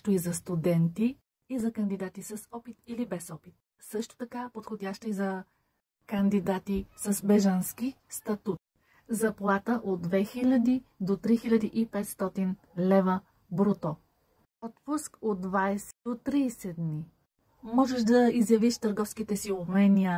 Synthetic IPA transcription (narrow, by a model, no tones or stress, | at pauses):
ʃt̪oizɐst̪ud̪ɛnt̪iː | zɐkɐnd̪id̪at̪isɐsɔpit̪ilibɛsɔpit̪̚ | sɤʃt̪o̥t̪ɐkapot̪xodʲaʃt̪əizɐ | kɐnd̪id̪at̪isəsbɛʒənski | st̪ɐt̪ut̪̚ | zɐplˠat̪əʔod̪̚d̪ːvɛxilʲɐd̪id̪ot̪ɾixilʲɐd̪iʔipɛt̪st̪ɔt̪in | lɛvə | bɾot̪ɔ | ɔt̪puskod̪̚ːvajsɛd̪ot̪ɾiːsɛd̪ni | mɔʒɛʃd̪ɐizjɐviʃt̪əɾɡɔfskit̪ɛsiobmɛniə